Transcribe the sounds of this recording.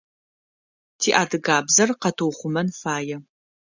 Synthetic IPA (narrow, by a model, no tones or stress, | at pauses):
tʰiːʔaːdɨɡaːbzɐrqɐtʰowχʷʊmɐnfaːjɛ